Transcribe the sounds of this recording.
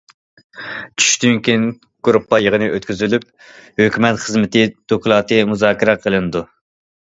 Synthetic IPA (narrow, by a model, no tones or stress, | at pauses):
t͡ʃʰy̥ʃt̪yŋkʲin | ɡ̥uɾupːɑjəʁənɨʔøt̪kʲyzylyp̚ | høkʲymɛt̪χəzmɪt̪ɪd̪̥okʰulˠɑːt̪ɨmuzɑːkʲiɾɛqʰəlˠɨnɨd̪u